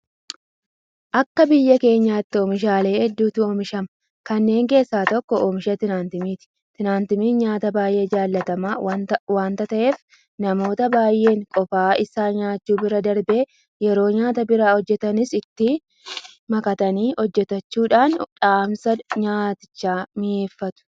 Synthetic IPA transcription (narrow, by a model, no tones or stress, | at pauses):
ʔɐkːɐbɪjːɐke̞ːɲːaːt̪ːɪoːmɪʃaːle̞ːʔɛd̪ːuːt̪ɪoːmɪʃɐmɐ | kɐnːe̞ːŋke̞ːsːaːt̪ɔkːɔoːmɪʃɐt̪ɪnaːnt̪ɪmiːt̪ɪ̥ | t̪ɪnaːnt̪ɪmiːnɲaːt̪ɐbaːjʔe̞ːd͡ʒaːlːɐt̪ɐmaːwaːnt̪ɐt̪ɐʔe̞ːf | nɐmo̞ːt̪ɐbaːjʔe̞ːŋkʼɔfaːɪsaːɲaːt͡ʃːuːbɪɾɐd̪ɐɾbe̞ː | jɛɾo̞ːɲaːt̪ɐbɪɾaːhɔd͡ʒːɛt̪ɐnɪsɪt̪ːɪ | mɐkɐt̪ɐniːʔɔd͡ʒːɛt̪ɐt͡ʃːuːᶑaːnᶑaːmsɐɲaːt̪ɪ̥t͡ʃːaːmɪjeːfːɐt̪ʊ̥